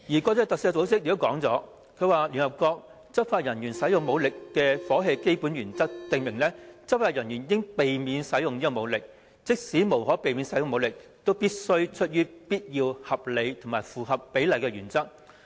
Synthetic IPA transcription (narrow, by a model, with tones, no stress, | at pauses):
jiː˨˩kɔː˧t͡sɔː˧t̪ɐ˨k̚siː˧˥˧t͡so˨˥wsɪ˥k̚ji˨˥kɔː˨˥ŋt͡sɔ̰ː˨˥ | kʰɵ˨˧waː˨lyː˨˩nhɐ˨˩p̚kɔː˧k̚ | t͡sɐ˥p̚faː˧t̚jɐ˨˩njyː˨˩nsɐ˨˥jʊ˨ŋmo˨˧wlɪ˨kːɛː˧fɔː˨˥ɦe˧jke˥jpuː˨˥njyː˨˩nt͡sɐ˥k̚t̪ɪ˨ŋmɪ˨˩ŋlɛː˥t͡sɐ˥p̚faː˧˥jɐ˨˩njyː˨˩n˧kɪ˥ŋpe˨jmiː˨˧nsɐ˨˥jʊ˨ŋniː˥kɔ˨˧mo˨˧wlɪ˨k̚ | t͡sɪ˥k̚siː˨˥mo˨˩wɦɔː˨˥pe˨jmi˨˧nsɐ˨˥jʊ˨ŋmo˨˧wlɪ˨k̚t̪o˥wpiː˥t̚sɵ˥ɥt͡ʃʰɵ˥t̚jyː˥piː˥t̚jiː˧whɐ˨p̚le˨˧jt̪ʰʊ˨˩maː˨˩jfuː˨ɦɐ˨pːe˨˥jlɐ˨jkɛː˧ɥyː˨˩nt͡sɐ˥k̚